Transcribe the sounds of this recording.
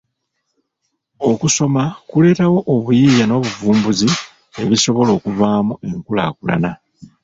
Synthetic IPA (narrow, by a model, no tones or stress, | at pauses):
o̞kuso̞makule̞ːtawo̞ʔːβujiːjano̞ːβuvuːmbuzi | e̞βiso̞βo̞lo̞ːkuvaːmue̞ŋkula̰ːkula̰na